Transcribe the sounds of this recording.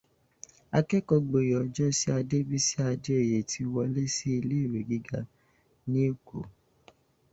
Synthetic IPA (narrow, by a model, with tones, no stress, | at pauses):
a˧kɛ˦kɔ˧ɡ͡bo˨jɔ˨˦d͡ʒɔ˦si˦a˧de˦bi˦si˦a˧de˦e˦˨je˨tʰi˧wɔ˧le˦si˦i˧le˦i˦˨ɾe˨ɡi˦ɡa˦ | nĩ˦e˦˨ko̰˨